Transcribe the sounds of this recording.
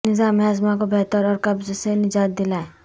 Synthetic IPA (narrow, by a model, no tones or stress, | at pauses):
nɪzaːmazmakobʱɛːt̪əɾɔːɾkɐbzosenɪd͡ʒaːt̪̚d̪ɪlaːe